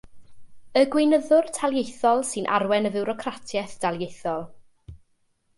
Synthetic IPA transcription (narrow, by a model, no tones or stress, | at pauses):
əɡwɪnəðʊrtʰalˠjejθɔlˠsɨnʔa̰ɾwɛnəvɪwɾɔkʰratʰjɛθd̥alˠjejθɔlˠ